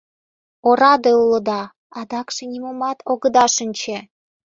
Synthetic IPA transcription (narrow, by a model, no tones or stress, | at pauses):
oɾɑd̪eulə̆d̪ɑ | ɑd̪ɑkʃĕnʲimomɑt̪ʰoɣə̆d̪ɑʃənʲt͡ɕe